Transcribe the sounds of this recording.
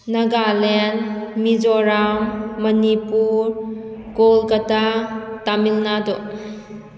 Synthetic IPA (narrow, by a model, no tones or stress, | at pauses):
naɡalɛnmid͡ʒɔɾaŋmɐnipuɾɡolkatatamilnadɔ